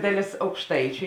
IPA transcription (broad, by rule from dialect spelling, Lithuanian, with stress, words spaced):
ˈdɑːˌlʲeːs ɐʊkʃˈtɐɪt͡ʃʲʊ